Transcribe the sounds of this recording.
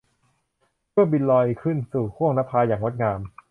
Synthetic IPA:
pʰɯ˥˩əbi˧nlɔː˧jkʰɯ˥˩nsuː˨˩kʰu˥˩əŋna˦˥pʰaː˧jaː˨˩ŋwo˦˥t̪̚ŋaː˧m

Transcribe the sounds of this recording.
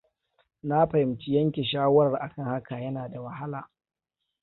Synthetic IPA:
na˦ɸɐ˨hɪ˨mt͡ʃi˦jɐ˦ŋkʲe˨ʃaː˦wɐ˦ɾɐ˨rʔa˨kɐ˦ŋha˦ka˨jɐ˦naː˨da˨wɐ˨ɦa˦laː˨

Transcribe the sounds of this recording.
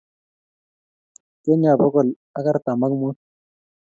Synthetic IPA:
kɛ˦ɲa˨bɔ˦kɔ˨l | a˦ka˦ɾta˨ma˦kmu˦

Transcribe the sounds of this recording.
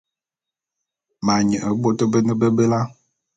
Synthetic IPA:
ma˨ɲə˨ʔə˨˦bo˦tə˦bə˦nə˦bə˦bə˦la˦

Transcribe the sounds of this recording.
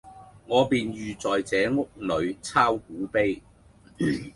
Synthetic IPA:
ŋɔː˨˧piː˨njyː˨t͡sɔː˨jt͡sɛː˨˧ŋʊ˥k̚nɵ˨˧ɥt͡sʰaː˥wk̚uː˨˥pe˥j

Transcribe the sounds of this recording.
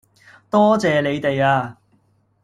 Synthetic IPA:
t̪ɔː˥t͡sɛː˨˧le˨˧jt̪e˨jaː˧

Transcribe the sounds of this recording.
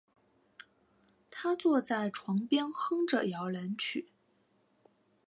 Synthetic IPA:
t̪ʰa˥t͡swɔ˥˧t͡sa˥˩ɪʈ͡ʂʰwɑ˧˥ŋpjɛ˥nxɤ˥ŋʈ͡ʂə˨˩jɑ˧˥ʊla˧˥nt͡ɕʰy̰˨˩˦

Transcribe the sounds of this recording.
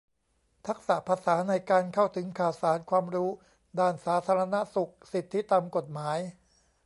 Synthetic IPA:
t̪ʰa˦˥k̚sa˨˩pʰa˧saː˩˦na˧jkaː˧nkʰa˥˩wt̪ʰɯ˩˦ŋkʰaː˨˩wsaː˩˦nkʰwaː˧mɾuː˦˥ | daː˥˩nsaː˩˦˥t̪ʰaː˧ɾa˧na˦˥su˨˩k̚si˨˩t̪ʰːi˦˥t̪a˧mko˨˩t̪̚maː˩˦j

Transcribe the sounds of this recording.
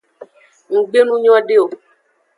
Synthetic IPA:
ŋ̩˨ɡ͡be˦nũ˦ɲɔ̃˦ɖe˦o˨

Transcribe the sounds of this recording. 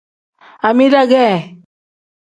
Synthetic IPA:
a˨mi˦ɾa˦ɡɛ˦˨

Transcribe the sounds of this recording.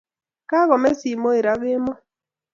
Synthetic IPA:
ka˦ɣɔ˨mɛ˦si˨mo˦e˨ɾa˦ɡe˦mɔ˦

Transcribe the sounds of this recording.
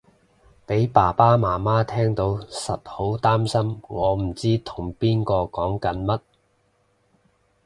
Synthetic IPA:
pe˨˥jpaː˨˩paː˥maː˨˩maː˥t̪ʰɛː˥ŋt̪o˨˥wsɐ˨t̚ho˨˥wt̪aː˥msɐ˥mŋɔː˨˧m̩˨˩t͡siː˥t̪ʰʊ˨˩ŋpiː˥nkɔː˧kɔː˨˥ŋkɐ˨˥nmɐ˥t̚

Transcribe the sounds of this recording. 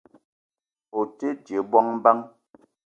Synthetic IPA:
o˨te˦d͡ʒe˨˦bɔ˦ŋm̩˦ba˦ŋ

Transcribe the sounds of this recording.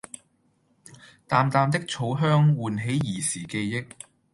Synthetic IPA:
t̪aː˨˧mt̪aː˨˧mt̪̬ɪ˥k̚t͡ʃʰo˨˥wɦœː˥ŋwuː˨nɦe˨˥jjiː˨˩siː˨˩ke˧jːɪ˥k̚

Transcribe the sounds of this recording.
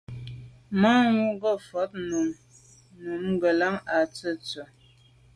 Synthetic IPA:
ma˦ŋu˦ɡə˦˨fɔ˨˦t̚nu˨m | nu˨m˦ɡə˨la˦ŋa˨t͡sə˦˨t͡sə˨

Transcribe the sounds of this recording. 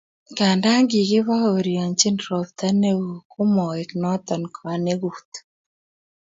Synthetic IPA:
ka˨nda˦ŋɡi˨ɣi˦βa˦o˨ɾja˨ɲt͡ʃi˦ndɾɔ˨pt̪a˦ne˦uku˦mɔ˨ɛ˨knɔ˦t̪ɔ˨nkʰa˨ne˦ɣut̪

